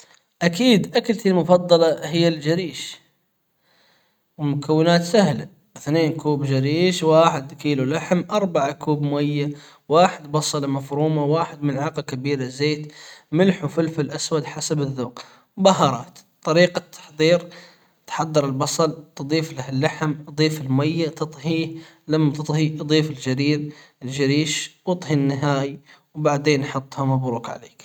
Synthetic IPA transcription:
ʔakiːd̪ʔakalt̪ilmʊfɑd̪ˤːɑlɑhɪjːald͡ʒaɾiːʃ | wmʊkʰawːɪnaːt̪sahla | θneːnkuːbd͡ʒaɾiːʃwaːħɪd̪kiːlulaħmʔɑɾˤbaʕakuːbmwajːa | waːħɪd̪bɑsˤɑlmafɾuːmawaːħɪd̪mɪlʕɑqakabiːɾazeːt̪mɪlħufʊlfɪlʔaswad̪ħasabɪðːoːq | baɦɑːɾˤɑ̰ːt̪t̪ˤːɑɾiːqat̪ʰːɑ̥ħðˤiːɾ | t̪ħɑd̪ˤːɑɾɪlbɑsˤɑlt̪ɨd̪ˤiːflahɪlːaħmd̪ˤiːfɪlmajːat̪ɨt̪ˤhiːh | lamːat̪ɨt̪ˤhid̪ˤiːfɪld͡ʒaɾiːɾ | ɪld͡ʒaɾiːʃwɨt̪ˤɦinːɪɦaːjwbaʕd̪eːnːħʊt̪ˤːhamabɾˤuːkʕa̰lḛːk

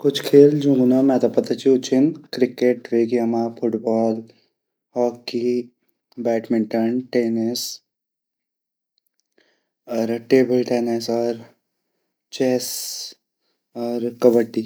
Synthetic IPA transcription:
kʊt͡ʃʰkʰeːld͡ʒũːɡunamɛ̃t̪opɐt̪at͡ʃiʊt͡ʃʰɪnkɾɪkeʈʋeːkiɐmafʰʊʈbɔːl | hɔːki | bɛːʈmɪ̃ɳʈəɳʈeːnɪs | ɔːɾʈeːbəlʈeːnɪsɔːɾ | t͡ʃeːs | ɔːɾkɐbəʈːi

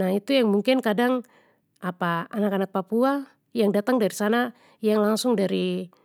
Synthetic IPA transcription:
ait̪ujaŋmuŋkɪnkadaŋ | apaanakanak̚papua | jaŋdat̪aŋdaɾisana | jaŋlaŋsʊŋdaɾi

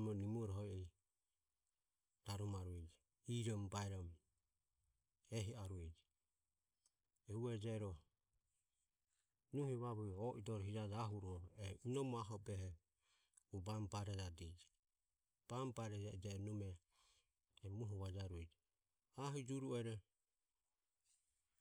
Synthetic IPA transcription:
mɔnimuɔɾɔɦɔiɛ | d̥aɾumaɾuɛd͡ʒɛ | iɾɔmbaɛɾɔm | ɛɦiaɾuɛd͡ʒɛ | ɛuɛd͡ʒɛɾɔ | nuhɛβaβuɔʔidɔɾɔɦiɾad͡ʒaɦuɾɔɛinɔmɔaɦɔbɛɦɛ | ubambaɾɛd͡ʒadɛd͡ʒɛ | b̥ambaɾɛd͡ʒad͡ʒɛnumɛː | muɦɔβad͡ʒaɾuɛd͡ʒɛ | aɦud͡ʒuɾuɛɾɛ

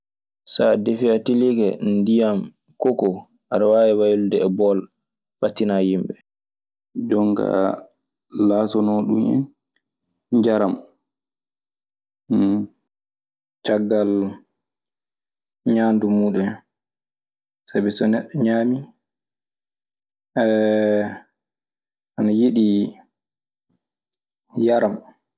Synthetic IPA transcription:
sadefiatiliɡɛndijam | kɔkɔ | aɾawawɛwajuldɛːbɔl | ɓatːinajimɓɛ | d͡ʒɔŋɡa̰ | laːsɔnɔɗumɛ̰n | d͡ʒaɾam | t͡ʃaɡːal | ɲaːndumuɗɛ | sabisɔnɛɗːɔɲaːmi | ʔɛ | ʔanajiɗi | jaɾam

